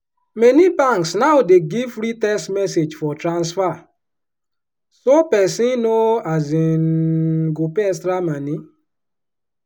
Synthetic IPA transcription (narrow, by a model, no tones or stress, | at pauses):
menipaŋksnaʊdeɡivɾitɛstmɛsed͡ʒfɔtɾãnsfa | sopɛsinoazinɡopɛs̬tɾamani